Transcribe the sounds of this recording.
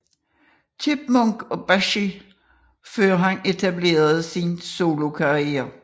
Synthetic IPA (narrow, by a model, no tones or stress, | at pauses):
t͡sʰib̥̚mɔŋɡ̥ɒ̽b̥æʃi | føːɐɦæne̝t͡sʰæble̝̰ːɐð̞̩ˠsinso̝ːlo̝kʰɑ̈ʁiḛːɐ